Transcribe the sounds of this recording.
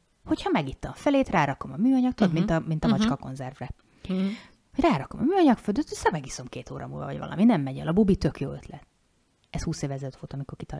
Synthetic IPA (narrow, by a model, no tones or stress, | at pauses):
ho̞chɒmɛɡit̪ːɒmfɛleːt̪raːɾɒko̞mɒmyːɒɲɒk̚t̪od̪mint̪ɒmint̪ɒmɒt͡ʃkɒko̞̰nzɛrvrɛ | hoɟraːɾɒko̞mɒ̰myːɒɲɒkføld̪øt̪ːysɛmɛɡiso̞mkeːt̪o̰ːɾɒ̰mṵlvɒ̰vɒ̰ɟvɒ̰lʔɒ̰minɛmːɛɟɛ̰lɒbubit̪økjo̰ːøt̪ʰlɛt̪ | ɛshuːseːvɛzɛløt̪fot̪ɒmiko̞rki̥t̪ɒ